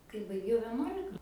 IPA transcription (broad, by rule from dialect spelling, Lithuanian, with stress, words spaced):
kɐɪ bɐɪˈɡʲɛʊ ʋʲɛˈnuɔlʲɪkɐ